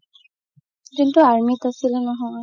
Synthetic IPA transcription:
kintuaɹmitasilɛnɔɦɔ

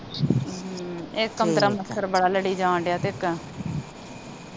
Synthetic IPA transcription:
ɪkːəmt̪əɾaːməstːəɾbəɽaːləɽiːd͡ʒãːɳɖejaːt̪eɪkː

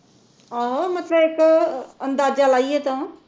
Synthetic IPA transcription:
aɦomɐt̪ləbekɐ̃nd̪aːzd͡ʒalaːiet̪ɐ

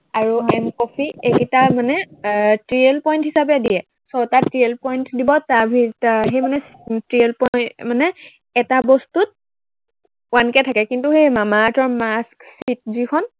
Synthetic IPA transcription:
aɹuɛmkɔpʰiekitamanɛtɹielpɔjnthisabɛdijɛ | sɔtatɹielpɔjntdibɔtabʱitaxejmanɛ | tɹielpɔmanɛ | ɛtabɔstut̚ | wankɛtʰakɛkintuxejmamaːtɔɹmasksit̚zikʰɔn

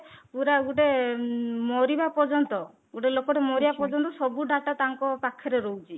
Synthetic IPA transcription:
puɾaɡuɖe | mɔɾibapɔd͡ʒɔnt̪ɔ | ɡuɖelokɔʈemɔɾibapɔd͡ʒɔnt̪ɔsɔbuɖʱaʈat̪aŋkɔpakʰːɔɾeɾɔwt͡ʃʰi

